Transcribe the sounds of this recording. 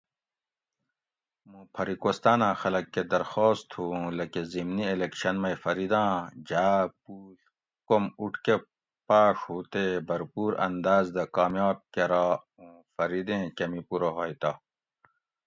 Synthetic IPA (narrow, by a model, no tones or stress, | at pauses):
mũpʰɐɾikoːst̪aːnãːxɐlɐkːed̪ɐɾxoːst̪ʰhũːlɐkezimnielekɕɐnmɐjfɐɾid̪ãːd͡ʑaːpuː | komuʈʰke | paːʂhuːt̪ebɐɾpuːɾɐ̰nd̪aːzd̪ɐkaːmjaːb̚keɾaː | ũ | fɐɾid̪ẽːkɐmipuɾoɦoːjt̪aː